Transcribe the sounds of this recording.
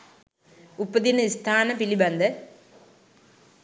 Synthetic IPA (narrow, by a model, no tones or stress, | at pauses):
ʊpːɐðinɐist̪ʰaːnɐpilibɐnd̪ɐ